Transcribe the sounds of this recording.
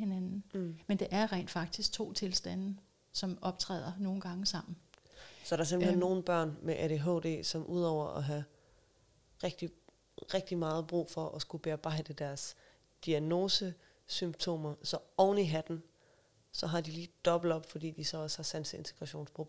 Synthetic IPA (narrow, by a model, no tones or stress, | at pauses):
henænn̩mend̥eʔæɐʁḛnd̥fɑ̈ɡ̥̚d̥isɡ̥̚t͡sʰo̝̰ːt͡sʰe̝lsd̥æn̰ə | sɒ̽mɒ̽b̥̚t͡sʰʁɛ̰ːð̞̰ˠɐno̝ːn̩ɡ̥ɑ̈ŋəsɑ̈m̰n̩sɒæɾ̥ɑ̈sem̥lhenːo̝ːn̩b̥ɶɐ̰nmeʔædeɦo̰ːd̥e̝̰ːsɒ̽mʔuð̞̰ˠɒʊ̰ɐʔɒ̽ɦæ | ʁeɡ̥d̥i | ʁeɡ̥̚d̥imɑ̈ːð̞̩ˠb̥ʁṵːfɒ̽ʔɒsɡ̥ub̥e̝ɑ̈b̥ɑ̈ɪ̰d̥əd̥æɐs | d̥iæno̝ːsə | symb̥t͡sʰo̝̰ːmɐsɒ̽ɒʊniɦæd̥n̩ | sɒ̽ɦɑ̈d̥iliːd̥ɒ̽b̥l̩d̥ɒ̽b̥fɒ̽d̥ḭːd̥isɒ̽ɒ̽shɑ̈sænsəe̝nt͡sʰe̝ɡ̥ʁɑ̈ɕo̝̰ːnspʰʁob